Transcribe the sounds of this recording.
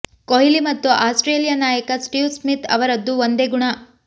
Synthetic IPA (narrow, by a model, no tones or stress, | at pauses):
koɦilimɐt̪ːuʔaːsʈɾeːlijɐnaːjɐkɐsʈiwsmit̪ɐ̰ʋɐɾɐd̪ːuʋond̪eɡuɳɐ